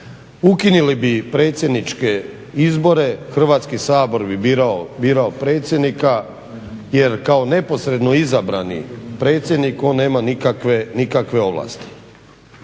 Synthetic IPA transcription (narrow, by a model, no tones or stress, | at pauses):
ukinilibipɾe̞ːt̪sʲje̞d̪nit͡ʃke̞ | izbo̞ɾe̞xr̩ʋaːt̪skisaːbo̞ɾbibiɾaobiːɾaopɾe̞ːt̪sjed̪nika | je̞ɾkao̞ne̞po̞sɾe̞d̪no̞izabɾanḭpɾe̞ːt̪sʲje̞d̪niko̞ːnːe̞ːmanikakʋenikakʋe̞o̞ʋlˠa̰st̪i̥